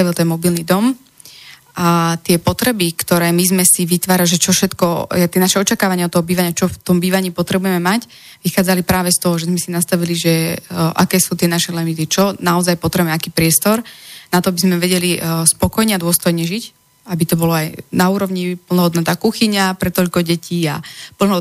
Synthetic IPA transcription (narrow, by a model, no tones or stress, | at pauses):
aʋilt̪ɛnmɔbilnid̪ɔm | ʔat̪ɪɛpɔt̪ɾɛbikt̪ɔɾɛːmizmɛsiʋit̪ʋaːɾaʒɛt͡ʃɔfʃɛt̪kɔjɛt̪ɪɛnaʃɛɔt͡ʃakaːʋaɲɪaɔt̪ːɔɦɔbiːʋaɲɪat͡ʃɔft̪ɔmbiːʋaɲiːpɔt̪ɾɛbujɛmɛmac | ʋixaːd͡zalipɾaːʋɛst̪ɔɦɔʒɛzmɛsinast̪aʋiliʒɛʔa̰kɛːsuːt̪ɪɛnaʃɛlɛmit̪it͡ʃɔnaɔzajpɔt̪ɾɛmɛakiːpɾɪɛst̪ɔɾnat̪ɔabizmɛʋɛɟɛlispɔkɔjɲɛad̪ʊɔst̪ɔjɲɛʒic | abit̪ɔbɔlɔajnauːɾɔʋɲipl̩nɔɦɔd̪nat̪aːkuxiɲapɾɛt̪ɔʎkɔɟɛciːa̰pl̩n